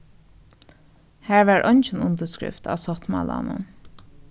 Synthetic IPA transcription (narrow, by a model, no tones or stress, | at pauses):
hæːɹʋæːɹʔœnt͡ʃɪnʊnt̪əskɹɪ̰ft̪a̰ːʋsɔht̪mɑ̰ːla̰nʊ̰n